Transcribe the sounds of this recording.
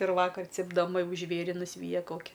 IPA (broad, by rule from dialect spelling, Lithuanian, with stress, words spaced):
ɪr ˈʋɑːkɐr t͡sʲɪbdɐˈmɐ ˈjɛʊ ˈʒʲʋʲeːrʲɪ nʊˈsʲʋʲiːjɛ ˈkoːkʲɪ